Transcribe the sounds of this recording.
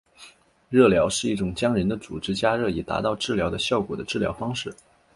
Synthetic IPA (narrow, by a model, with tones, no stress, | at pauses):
ɻɤ˥˩ljɑ˧˥ʊʂɻ̩˥˧i˥˩ʈ͡ʂʊ˨˩ŋt͡ɕjɑ˥ŋɻə˧˥nd̪ə˧t͡su˨˩ʈ͡ʂɻ̩˥t͡ɕja˥ɻɤ˥˩i˨˩t̪a̰˧˥t̪ɑ˥˧ʊʈ͡ʂɻ̩˥˩ljɑ˧˥ʊd̪ə˧ɕjɑ˥˩ʊkwɔ˨˩d̪ə˦ʈ͡ʂɻ̩˥˩ljɑ̰˧˥ʊfɑ˥ŋʂɻ̩˥˩